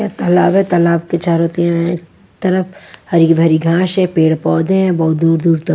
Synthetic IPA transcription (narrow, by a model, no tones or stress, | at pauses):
kaːt̪ɐlaːbɦɛt̪ɐlaːbpɪt͡ʃaːɾɦoːt̪iãk | t̪ɐɾəfhɐɾibʱɐɾiɡʱãːʃɦɛ̃peːɽpɔːd̪ẽɦɛ̃bɐɦʊt̪̚d̪uːɾd̪uːɾt̪ɐ